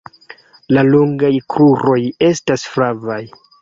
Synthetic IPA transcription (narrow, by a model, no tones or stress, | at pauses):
laloŋɡajkɾuɾo̞je̞stasfɾavaj